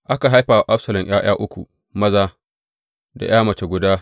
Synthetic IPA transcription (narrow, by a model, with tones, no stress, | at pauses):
ʔa˦ka˨ɦa˦jɸaː˨wa˨ʔa˦ɸsɐ˨lɐ˨mj̰aː˦j̰aː˦ʔʊ˦kʷu˨ | mɐ˦zaː˦ | da̰˨j̰aː˦mɐ˨t͡ʃe˨ɡʷʊ˨daː˦